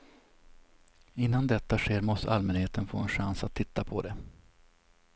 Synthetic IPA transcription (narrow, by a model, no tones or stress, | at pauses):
ɪnːand̪ɛt̪ːaɧeːɾmɔst̪ə̰ʔalmɛnheːt̪ənfo̰ːɛnɧansat̪ʰːɪt̪ːapʰɔd̪ɛ